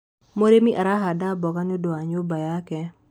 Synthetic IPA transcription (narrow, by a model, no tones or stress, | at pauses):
moɾemiʔaɾaɦadabɔkanodoaɲobajakɛ